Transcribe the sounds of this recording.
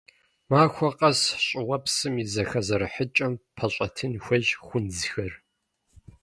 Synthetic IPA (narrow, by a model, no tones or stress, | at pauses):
maːxʷɔqʼɐsɕʼɪwɐpsɨmizɐxɐzɐɾɨħət͡ʃʼɐmpʰɐɕʼɐtʰɨnxʷɐʑχʷʊnzxɐr